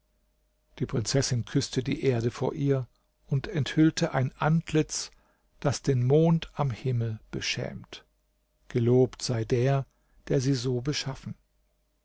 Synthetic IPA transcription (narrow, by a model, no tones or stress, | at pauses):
d̥iːpʁ̥ɪnt͡sɛsɪnkʰʏstədḭːʔeːɐdəfo̰ːɐʔiːɐ | ʊntɛnthʏltʰəʔaɪnʔantʰlɪt͡s | d̥asd̥eːnmoːntʰamhɪml̩b̥əʃɛ̰ːmt | ɡ̥əloːptz̥aɪdeːɐ | d̥eːɐziːzoːbəʃafn̩